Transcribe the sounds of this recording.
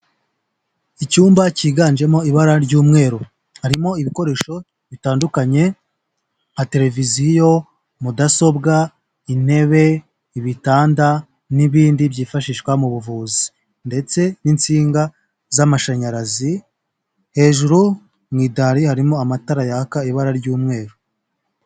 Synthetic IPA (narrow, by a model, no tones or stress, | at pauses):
icuːmbaciːɡand͡ʒe̞mo̞iβaɾaɾɟuːmŋe̞ːɾo | haɾimo̞iβiko̞ɾe̞ːʃo̞ | βitaːndukaɲe̞ | ate̞ɾe̞vizijo̞ | mudaso̞bɡa | in̥he̞βe̞ | iβitaːnda | niβiːndibjiːfaʃiːʃkwamuβuvuːzi | nde̞t͡se̞nint͡siːŋɡa | zamaʃaɲaɾazi | he̞ːʒuɾu | mŋiːdaɾihaɾimo̞amataɾajakaiβaɾaɾɟuːmŋe̞ːɾo